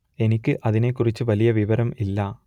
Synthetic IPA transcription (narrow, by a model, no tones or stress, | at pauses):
enikʲːɨʔɐðinekːʊrit͡ɕːɨʋɐlijɐʋiʋɐɾɐmilːɐ